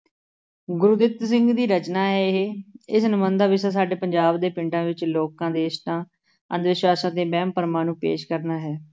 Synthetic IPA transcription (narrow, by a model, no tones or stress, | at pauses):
ɡʊɾʊd̪ɪt̪s̬ɪ̃ŋɡd̪iːɾət͡ʃnaːɦɛːɪɦeɪsnəmə̃nd̪aːʋɪsãːsaːɖeːpəɲd͡ʒaːbd̪eːpɪɳʈãːʋɪt͡ʃloːkãːd̪eːʃt̪ãː | ə̰̃nd̪ʋɪswaːsãːd̪eːbɛːmpəɾmãːnũːpḛːʃkəɾnaːɦɛː